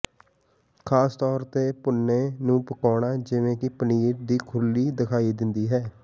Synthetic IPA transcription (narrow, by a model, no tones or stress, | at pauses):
kʰaːst̪ɔːɾt̪eːpʊnːeːnũːpəkɔːɽaːd͡ʒɪʋẽːkɪpəniːɾd̪iːkʰʊlːiːd̪ɪkʰaːiːd̪ɪnd̪iːɦɛː